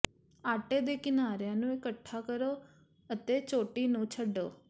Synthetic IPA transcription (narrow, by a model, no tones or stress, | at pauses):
aːʈeːd̪eːkɪnaːɾjãːnũːɪkəʈʰːaːkəɾoː | ət̪eːt͡ʃoːʈiːnũːt͡ʃʰəɖo̰ː